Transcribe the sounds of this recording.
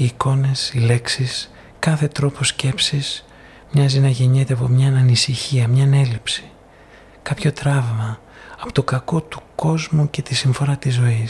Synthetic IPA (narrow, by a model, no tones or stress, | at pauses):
iːko̞ne̞sile̞ksis | kɐθe̞t̪ɾo̞po̞sce̞psis | mɲɐzinɐʝe̞ɲet̪eɐpo̞mɲɐnɐnisiçiɐmɲɐne̞lipsi̥ | kɐpço̞t̪ɾɐvmɐ | ɐpo̞̥t̪okɐko̞t̪u̥ko̞zmuce̞t̪isiɱfo̞ɾɐt̪izːo̞is